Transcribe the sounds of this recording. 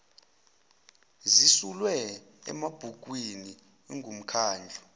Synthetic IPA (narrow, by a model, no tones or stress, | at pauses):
zisulwɛ | ɛ̰mab̥ʱuk̬ʼwini | ŋɡʱum̩kʰaːnd͡ɮʱu